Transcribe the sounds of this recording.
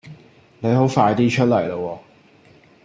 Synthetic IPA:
ne˨˧jho˨˥wfaː˧jt̪iː˥t͡ʃʰɵ˥t̚lɐ˨˩jlɐ˧wɔː˧

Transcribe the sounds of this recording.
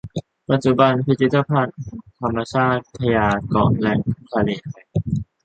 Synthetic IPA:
pa˨˧t̪̚t͡ɕu˨˩ba˧npi˧˥t̪i˦˥t̪ːa˧pʰa˦˥˩n̚t̪ʰa˧mːa˧t͡ɕʰaː˥˩t̪̚t̪ʰːa˧jaː˧kɔ̰ː˨˩nlɛ˦˧˥ŋkʰa˧lḛː˨˩a˧˩

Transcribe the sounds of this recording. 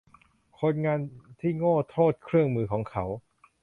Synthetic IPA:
kʰo˧nŋaː˧nt̪ʰiː˥˩ŋoː˥˩t̪ʰːoː˥˩t̪̚kʰɾɯ˥˩əŋmɯː˧kʰɔː˩˦ŋkʰa˦˥w

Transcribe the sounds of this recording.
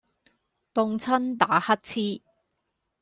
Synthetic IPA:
t̪ʊ˧ŋt͡sʰɐ˥nt̪aː˨˥hɐ˥t̚t͡sʰiː˥

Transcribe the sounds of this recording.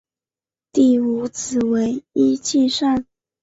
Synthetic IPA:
t̪i˥˩u˧˥t͡sʰɹ̩˨˩we˧˥ɪi˥t͡ɕi˥˧ʂa˥˩n

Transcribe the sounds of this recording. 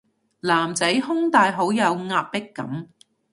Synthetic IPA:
laː˨˩mt͡sɐ˨˥jɦʊ˥ŋt̪aː˨jɦo˨˥wjɐ˨˧wŋaː˧p̚pɪ˥kːɐ̰˨˥m

